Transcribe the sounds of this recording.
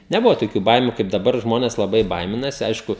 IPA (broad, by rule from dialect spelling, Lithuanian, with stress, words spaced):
nʲɛˈbʊʋoː toːˈkʲuː ˈbɐɪmʲʊ kɐɪp dɐˈbɐr ˈʒmoːnʲɛs lˠɐˈbɐɪ ˈbɐɪmʲɪnɐsʲɪ ˈɐɪʃkʊ